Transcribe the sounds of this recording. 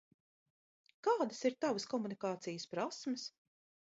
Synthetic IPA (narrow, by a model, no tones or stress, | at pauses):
kaːd̪əsiɾt̪avəskɔmunikaːt̪sijəspɾasməs